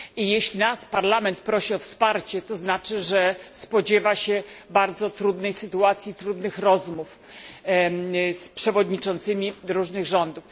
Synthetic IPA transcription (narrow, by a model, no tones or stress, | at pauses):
ijeɕlʲinaspaɾlamɛnt̪̚pɾɔɕiɔfspaɾt͡ɕɛt̪ɔznat͡ʂɘʐɛspɔd͡ʑɛvaɕɛbaɾd̪zɔt̪ɾud̪nɛjsɘt̪uat̪sʲjit̪ɾud̪nɘxɾɔzmuf | spʂɛvɔd̪ɲit͡ʂɔnt̪sɘmʲiɾuʐnɘɣʐɔnd̪uf